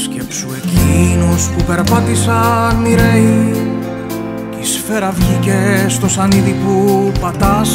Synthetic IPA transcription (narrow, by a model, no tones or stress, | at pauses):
scepsuecinospupe̞ɾpɐt̪isɐmiɾei | isfe̞ɾɐvʝicest̪o̞sɐniðipupɐt̪ɐs